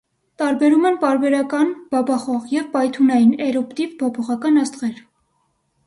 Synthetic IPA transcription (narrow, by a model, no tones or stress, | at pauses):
t̪ɑɾbɛɾumɛnpɑɾbɛɾɑkɑnb̥ɑbɑχɔʁjɛvpɑjt̪ʰunɑjinɛɾɔpt̪ivpʰɔpʰɔʁɑkɑnɑst̪ʁɛɾ